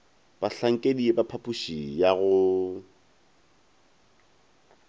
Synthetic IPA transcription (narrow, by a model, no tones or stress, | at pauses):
b̥aɬaŋ̩kʼediebapʰapʼuʃijaɣʊ